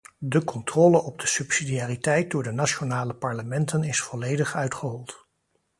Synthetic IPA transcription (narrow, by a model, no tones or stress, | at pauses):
dəkɔntrɔləʔɔb̚dəsɵpsidiaːritɛjt̚dʊːɹdənaonaːləpɑɹləmɛntənɪsfɔlejdəχœɥtχəɦɔlˠt